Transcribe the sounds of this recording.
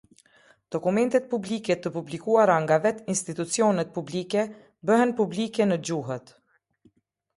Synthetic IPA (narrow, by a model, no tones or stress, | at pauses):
d̪̥ɔkumɛnt̪ɛt̪̚publikɛt̪əpublikuaɾaŋɡavɛt̪inst̪it̪ut͡siɔnɛt̪̚publikɛ | bəɦɛnpublikɛnəd͡ʑuɦət̪